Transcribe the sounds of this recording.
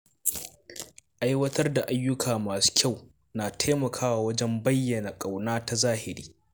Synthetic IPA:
ʔa˦jwɐ˦tɐ˦rda˨ʔa˦jːʊ˦kʰaː˨maː˨su̥˦kʲʰa˦˨w | naː˨tʰeː˦mɐ˨kʰaː˦waː˨wɐ˦d͡ʒɛ˦mbɐ˦jːɐ˨na˨kʼa˨wnaː˦ta˦zaː˦hɪ˨ɾiː˦

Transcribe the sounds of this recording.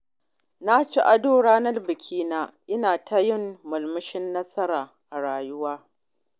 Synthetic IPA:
na˦t͡ʃi˦ʔa˨doː˦ɽaː˦nɐ˦lbɪ˨kʲʰiː˦naː˦ʔɪ˦naː˨tʰa˦jɪ˦˨mːʊ˨lmɪ˦ʃɪ˦nːɐ˦sɐ˦ɾaː˨ | ʔa˨ɽaː˨jʊ˦waː˦

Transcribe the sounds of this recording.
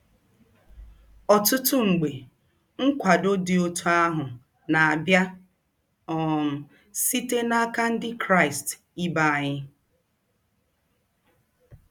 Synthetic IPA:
ɔ˨tʊ˦tʊ˦ŋ͡m̩˨ɡ͡be˨ | ŋ̩˦kʷa˨do˦dɪ˨o˦tu˦a˦ɦʊ˨ | na˨a˨bja˦ | ɔ˨m̩˨ | si˦te˦na˦ka˦n̩˦dɪ˦kɾa˦ɪ˨st | i˦ba˨a˨ɲɪ˦

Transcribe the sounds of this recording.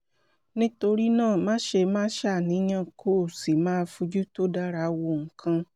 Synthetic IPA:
nĩ˦to˧ɾi˦nãː˦˨mãː˦ʃe˧mãː˦ʃa˦˨nĩ˨˦ɲã˦˨kʰoː˦˨si˨mãː˦˧fũ˧d͡ʒu˦to˦da˦ɾa˧wo˧ŋ̩˨kʰã˧

